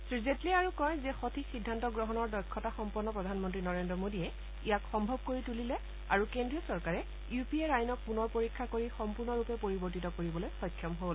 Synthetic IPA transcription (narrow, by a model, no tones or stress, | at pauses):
sɹizetliaɹukɔjzɛxotʰisidʱːantɔɡɹɔɦɔnɔɹdɔjkʰːɔtaxɔmpɔɹnːɔpɹɔdʱanmɔntɹinɔɹendɹɔmodijɛ | ijakxɔmbʱɔb̚koɹitulilɛ | aɹukendɹijɔsɔɹkaɹɛ | jupieɹajnɔk̚punɔɹpoɹikʰːakoɹixɔmpuɹnɔɹupɛpoɹibɔɹtitɔkoɹibɔlojxɔjkʰːɔmɦol